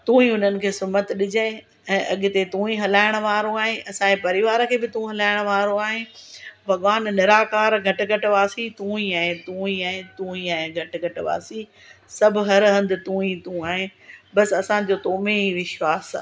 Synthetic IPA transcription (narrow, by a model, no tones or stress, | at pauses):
t̪ũːĩʊn̤ənɪ̆kʰeːsʊmət̪ɗɪd͡ʑəɪ̃ | ɛ̃ːʔɐɠɪ̆t̪et̪ũːĩɦɐlaːɪɽ̃ʋaːɾoaːɦẽʔɐsãepɐɾɪʋaːɾkʰeːbɪt̪ũɦɐlaːɪɽ̃ʊʋaːɾoaːɦɪ̃bʱɐɠʋaːnnɪɾaːkaːɾɡʱɐʈ̆ɡʱɐʈ̆ʋaːsit̪ũːĩɛ̃ɦẽt̪ũːĩɛ̃ːẽt̪ũːĩɛ̃ɦɡʱɐʈ̆ɡʱɐʈ̆ʋa̰ːsi | sɐbʱʊ̆ɦɐɾɦɐ̃nd̪ɪt̪ũːĩt̪ũaːɦẽbɐsɐsãd͡ʑoːt̪oːmeiʋɪʃʋaːs